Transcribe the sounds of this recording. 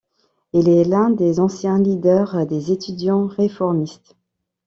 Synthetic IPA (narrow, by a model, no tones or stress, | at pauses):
ilɛlɛ̃d̪ezɑ̃sjɛ̃lid̪œʁd̪ezet̪yd̪jɑ̃ʁefɔʁmist̪